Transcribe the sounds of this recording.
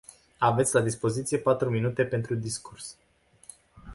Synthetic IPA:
ave̞t̪sʲlad̪ispo̞zit̪sije̞pat̪ɾuminut̪e̞pe̞nt̪ɾud̪iskurs

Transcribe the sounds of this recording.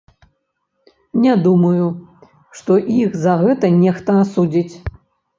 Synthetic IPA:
nʲɛd̪umɐju | ʂt̪ɔʔiɣzɐɣɛt̪ɐnʲɛxt̪ɐasud͡zʲit͡sʲ

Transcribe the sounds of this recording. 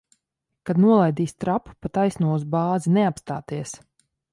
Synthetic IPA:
kad̪nuɔlˠajd̪iːst̪ɾappat̪ajsnuɔuzbaːzinɛapst̪a̰ːt̪iɛs

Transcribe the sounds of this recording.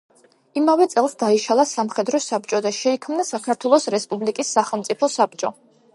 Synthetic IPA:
imavɛt̪sʼɛlˠsd̪aiʃalˠasamχɛd̪ɾɔsab̚t͡ʃʼɔd̪aʃɛikʰmnasakʰaɾt̪ʰwɛlˠɔsɾɛspʼublikʼisːaχɛlˠmt̪sʼipʰɔsap̚t͡ʃʼɔ

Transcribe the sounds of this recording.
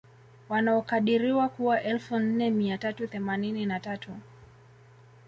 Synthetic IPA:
wanaɔkaɗiɾiwakuwaʔɛlfun̩nɛmiatatuθɛmanininatatu

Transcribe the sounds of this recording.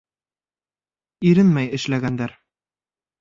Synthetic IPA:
iɾɘnmæjɘ̆ʃlæɡænd̪æɾ

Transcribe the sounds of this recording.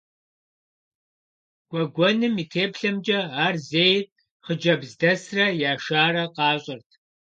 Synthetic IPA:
ɡ̥ʷʼɔɡʷɔnɨmiːtʰeːpɬɐmd͡ʒɐaːrzeːjr | χəd͡ʒɐbzdɐsrɐjaːʃaːrɐqɑːɕʼɪrtʰ

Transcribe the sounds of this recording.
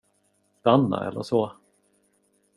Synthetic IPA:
sd̪anːa̰ɛ̰lːəʂɔ

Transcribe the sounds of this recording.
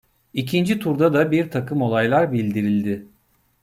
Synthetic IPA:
icʰind͡ʒit̪ʰuɾd̪ad̪abiɾt̪ʰakɯmo̞lˠajlˠaɾbilʲd̪iɾilʲd̪ɪ

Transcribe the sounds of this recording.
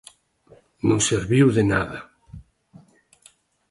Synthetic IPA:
nõŋseɾβiwðenaðɐ

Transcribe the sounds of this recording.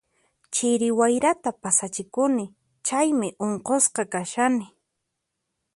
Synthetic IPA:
t͡ʃɪɾɪwajɾat̪apasat͡ʃɪkʊnɪ | t͡ʃajmɪʔoɴqosqɑkaʃanɪ

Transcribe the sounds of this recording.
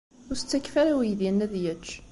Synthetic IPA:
ʊɾst͡sːækːfaɾawijðjænːæðjæt͡ʃː

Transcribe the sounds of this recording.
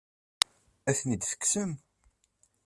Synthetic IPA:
æθnid̪θə̥kːsəm

